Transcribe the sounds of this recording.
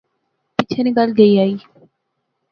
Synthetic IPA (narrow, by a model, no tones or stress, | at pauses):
pɪt͡ʃʰeniːɡəlɡəiːaːiː